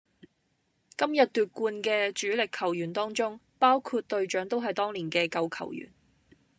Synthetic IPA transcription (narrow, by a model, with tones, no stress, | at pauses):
kɐ˥mjɐ˨t̚t̪yː˨t̚kuː˧nkɛː˧t͡ʃyː˨˥lɪ˨kʰɐ˨˩wjyː˨˩nt̪ɔː˥ŋt͡ʃt͡sʊ˥ŋpaː˥wkʰuː˧t̚t̪ɵ˧ɥt͡ʃœː˨˥ŋt̪o˥wɦɐ˨jt̪ɔː˥ŋliː˨˩nkɛː˧kɐ˧wkʰɐ̰˨˩wjy̰ː˨˩n